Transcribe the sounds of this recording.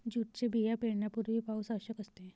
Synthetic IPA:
d͡ʑuʈ̚t͡sebijapeɽɳjapuɾʋipausaʋɕəkəst̪e

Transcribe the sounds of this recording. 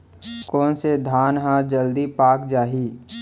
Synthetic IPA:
kɔːnsed̪ʱaːnɦãd͡ʒəld̪ipaːkd͡ʒaːɦiː

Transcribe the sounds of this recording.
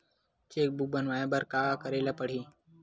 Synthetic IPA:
t͡ʃeːk̚buːbənʋaːẽbəɾkaːakəɾeːlaːpəɽ̤iː

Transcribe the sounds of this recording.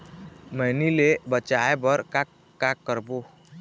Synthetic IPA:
məɦnilebət͡ʃajbəɾkak | kːakːəɾbo

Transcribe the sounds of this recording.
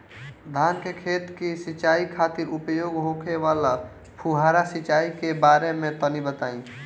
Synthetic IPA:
d̪ʱankekʰet̪kisit͡ʃaikʰat̪iɾupjoɡɦokʰeʋala | pʰuɦaɾasit͡ʃaikebaɾemet̪ənibət̪aĩ

